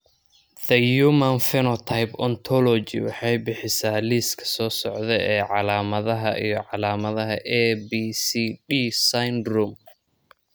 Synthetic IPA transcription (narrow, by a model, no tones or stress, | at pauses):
ðɐjumɐnfɛnɔt̪ʰajpɔnt̪ʰɔlɔt͡ʃɪ̰wɑ̰ħɑjbɪħɪsaːliːskʰɐ̥sɔːsɔʕðɛjɛːʕɑlaːmɐðɐɦɐ̰ʔijɞʕɑlaːmɐðɐɦɐʔɛbiːsiɖiːsajnd̪rʊm